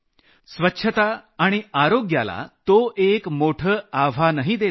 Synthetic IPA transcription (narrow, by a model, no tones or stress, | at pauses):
sʋətːɕʰət̪aːɽ̃iaɾoɡjala̰t̪oʔekmoʈʰəːaʋ̤ʱanəɦid̪e